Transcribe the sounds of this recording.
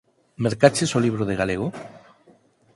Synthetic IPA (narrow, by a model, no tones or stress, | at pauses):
meɾkat͡ʃesoliβ̞ɾoð̞eɣaleɣ̞o